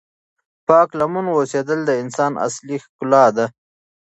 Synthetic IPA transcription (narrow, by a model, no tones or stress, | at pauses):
pɑklamunwosed̪əld̪əɪnsɑːnʔa̰slixkʊlɑd̪a